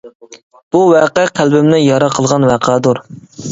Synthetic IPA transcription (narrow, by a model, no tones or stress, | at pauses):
b̥uwɛqɛqʰælbɪmnɪjɑɾɑqʰəlˠʁɑnwæqʰɑd̪uɾ